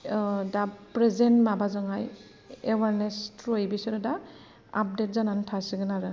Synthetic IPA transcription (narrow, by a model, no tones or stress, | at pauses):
dapɾezentmabazɯŋaj | ewaɾnestɾɔjbisɔɾɯda | ap̚det̚zanantʰasiɡɯnaɾɯ